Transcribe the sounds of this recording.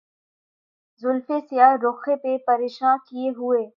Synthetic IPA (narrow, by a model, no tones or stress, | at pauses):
zʊlfesɪjaːɾʊxepepɐɾeːʃãːkijeɦʊeː